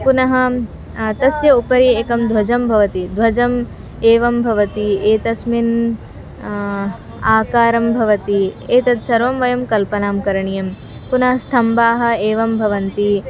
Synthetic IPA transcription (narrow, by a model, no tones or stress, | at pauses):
kunɐɦɐ̆ | t̪ɐsjɐupɐɾieːkɐmd̪ʱwɐd͡ʒɐmbʱɐʋɐt̪id̪ʱʋɐd͡ʒɐm | eːʋɐmbʱɐʋɐt̪ieːt̪ɐsmin | aːkaːɾɐmbʱɐʋɐt̪ieːt̪ɐd̪sɐɾʋɐmʋɐjɐmkɐlpɐnaːmkɐɾɐɳijɐm | kunɐɦɐst̪ʰɐmbaːɦɐ̆eːʋɐmbʱɐʋɐnt̪i